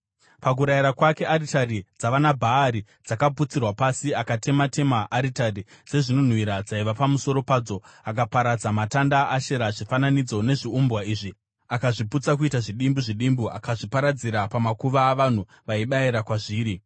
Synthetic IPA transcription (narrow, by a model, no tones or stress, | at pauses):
pak̬uɾaiɾakwake̞aritaɾid͡zaʋanabʱaːɾi | d͡zakaput͡sirwapasiakate̞mate̞maʔaɾitarise̞ʐino̞n̤wiɾad͡zaiʋapamuso̞ɾo̞paːd͡zo̞akapaɾad͡zamatandaaʃe̞ɾaʐifananid͡zo̞ne̞ʐiumbwaiːʐi | akaʐiput͡sakuitaʐiɗimbuʐiɗimbua̰kaʐipaɾad͡ziɾapamakuʋaːʋan̤u | ʋaiɓaiɾakwaʐiːɾi